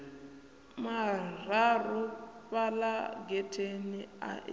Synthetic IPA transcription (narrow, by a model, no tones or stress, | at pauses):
mararuβalaɡɛtʰenia̰ʔ